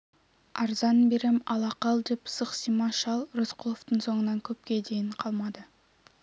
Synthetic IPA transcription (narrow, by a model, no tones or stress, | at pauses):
ɑɾzɑnbeɾemɑ̰lˠɑqɑlˠd̪epsəqsimɑʃɑlˠrozqʰulˠoft̪əɴso̞ɴənɑŋkʲʰɵp̚kʲe̞d̪e̞jɪɴqʰɑlˠmɑd̪ə